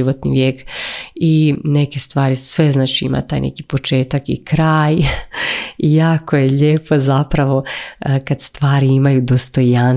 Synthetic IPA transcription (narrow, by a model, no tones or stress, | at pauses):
iʋot̪nḭʋjeːkine̞ke̞st̪ʋaːɾisʋe̞znaːt͡ʃiima̰t̪aːjnʔḛki̥po̞t͡ʃe̞ːt̪akḭkɾaːj | ijaːkojeʎeːpʰo̞zapɾaʋo̞kad̪st̪ʋaːɾiimajud̪o̞st̪o̞jan